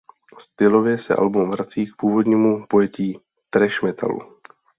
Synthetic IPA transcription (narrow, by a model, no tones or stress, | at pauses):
st̪ɪlo̞vjɛsɛ̰ʔa̰lbumvɾat͡siːk̚puːvo̞d̪ɲiːmupo̞jɛciː | t̪ɾɛʃmɛt̪ʰa̰lṵ